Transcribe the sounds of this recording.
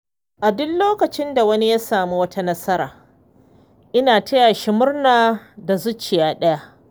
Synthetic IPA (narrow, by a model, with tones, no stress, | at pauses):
ʔa˨dʊ˦lloː˦kɐ˨t͡ʃɪ˦nda˨wɐ˦ni˦ja˦saː˨mu˦wɐ˦tʰa˦nɐ˦sɐ˦ɾaː˨ | ʔɪ˦naː˨tʰɐ˦ja˨ʃi˦mʊ˦rnaː˨da˨zʊ˦t͡ʃːɪ˨jaː˦ɗɐ˦ja˦ʔ